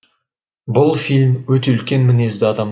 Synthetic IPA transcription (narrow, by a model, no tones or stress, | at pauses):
bʊlˠfilʲmwɵt̪e̞ʏlkʲe̞nmɪne̞zd̪ɪɑd̪ɑm